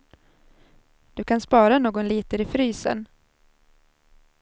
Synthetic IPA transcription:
d̪̥ɵkʰanspɑːɾanoːɡɔnliːt̪əɾɪfɾyːsə̰n

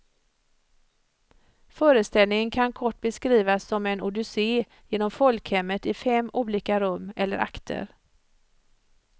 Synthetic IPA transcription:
fœːɾəst̪ɛlnɪŋənkʰankʰɔʈːbɛskɾiːvasːɔmɛnʊd̪ʏseː | jeːnɔmfɔlkhɛmːət̪ɪfɛmːʔuːliːkaɾɵmːɛlːəɾʔa̰kt̪ʰə̰ɾ

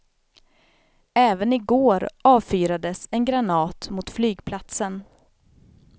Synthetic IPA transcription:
ɛːvənɪɡoːɾɑːvfyːɾad̪əsɛnɡɾanɑːt̪mʊt̪flyːɡpʰlat̪sən

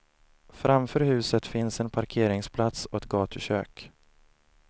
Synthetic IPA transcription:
fɾamfœːɾhʉ̟ːsət̪fɪnsɛnpʰaɾkʰeːɾɪŋspʰlat̪sɔɛt̪̚ɡɑːt̪ʰɵɕø̰ːk

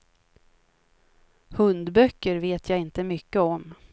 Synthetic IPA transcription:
hɵnd̪bœkːəɾveːt̪ʰjaːɪnt̪əmʏkːəɔm

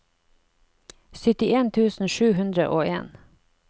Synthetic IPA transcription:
sʏt̪ɪeːnt̪ʰʉːsn̩ʃʉːhʉnd̪ɾə̰ʔoːḛːn

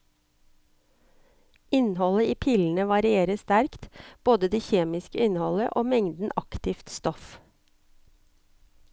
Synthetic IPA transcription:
ɪnhɔləiːpʰiːln̩əʋɑɾɪeːɾəst̪æɾkt̪b̥oːd̪əd̪eːçeːmɪskəɪnhɔlə̰ʔoːmɛŋd̪n̩ʔɑkt̪ɪft̪st̪ɔf

